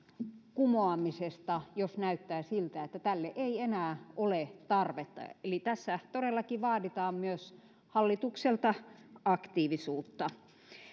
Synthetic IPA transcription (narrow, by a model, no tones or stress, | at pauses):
kumoɑmisest̪ɑjosnæyt̪ːæːsilt̪æet̪ːæt̪ælːeʔeienæːʔolet̪ɑrʋet̪ːɑ̰elit̪æsːæt̪oɾelːɑkiʋɑːdit̪ɑːmmyøs | hɑlːit̪ukselt̪ɑɑkt̪iːʋisuːt̪ːɑ